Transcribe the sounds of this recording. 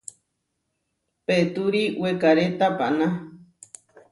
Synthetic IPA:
pet̪uɾiwekaɾet̪apa̰ʔna

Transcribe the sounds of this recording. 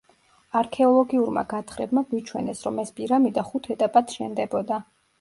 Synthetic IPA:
aɾkʰɛɔlˠɔɡiuɾma̰ɡat̪ʰχɾɛ̰bmaɡwit͡ʃʰwɛnɛsɾɔmɛspʼiɾamid̪aχut̪ʰɛt̪ʼapʼat̪ʃɛnd̪ɛbɔd̪a

